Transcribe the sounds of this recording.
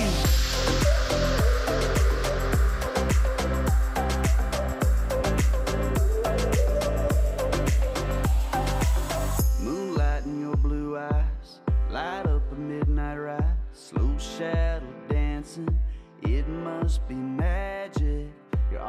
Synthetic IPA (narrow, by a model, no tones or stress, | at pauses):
mũnlaɪɾn̩jə˞bluaɪz̥laɪɾʌp̚ðəmɪdⁿnaɪt̚ɹaɪsloʃæɾədæ̃nsɪ̃ŋ | ɪt̚mʌst̚b̥imæd͡ʒɪk̚ | jə̰˞ʔ